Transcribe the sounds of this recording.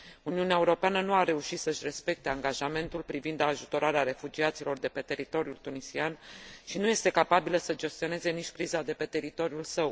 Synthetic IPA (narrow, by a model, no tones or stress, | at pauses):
uniuneaeuɾo̞peanənuaɾe̞uʃit̪səʃʲre̞spe̞k̚t̪e̞aŋɡaʒame̞nt̪ulpɾivind̪aʒut̪o̞ɾaɾeaɾe̞fud͡ʒiat̪silo̞rd̪e̞pe̞t̪e̞ɾit̪o̞ɾjult̪unisianʃinuje̞st̪e̞kapabiləsəd͡ʒe̞st̪io̞ne̞ze̞nit͡ʃʲkɾizad̪e̞pe̞t̪e̞ɾit̪o̞ɾjulsəw